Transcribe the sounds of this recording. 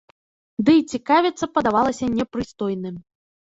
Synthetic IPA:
d̪ɨt͡sʲikavʲɛt̪sːɐpɐd̪avalˠɐsʲɐnʲɛpɾɨst̪ɔjnɨm

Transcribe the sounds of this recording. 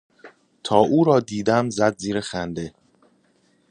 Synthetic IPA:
t̪ʰɒːʔuːɾɒːd̪iːd̪æmzæd̪ziːɾexænd̪e̞

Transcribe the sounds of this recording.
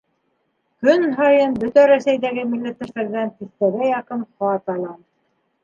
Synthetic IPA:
kɵnɦɑjɤnbɵ̆t̪æɾæsæjd̪æɡɘmilːæt̪ːɘ̆fæɾd̪ænt̪iθt̪æɾæjɑqɤnχɑt̪ɑlˠɑn

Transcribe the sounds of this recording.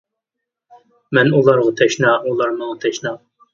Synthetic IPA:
mɛnulˠɑɾʁɑt̪ʰɛʃnɑːʔulˠɑɾmɑʁɑt̪ʰɛʃnɑ

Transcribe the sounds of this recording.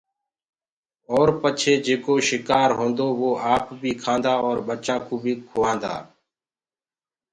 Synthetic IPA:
ɔːɾpət͡ʃʰeːd͡ʒeːkoːʃɪkaːɾɦõːnd̪oːʋoːʔaːpbʱiːkʰãːnd̪aːɔːɾɓət͡ʃãːkuːbʱiːkʰoːʋãːnd̪a̰ː

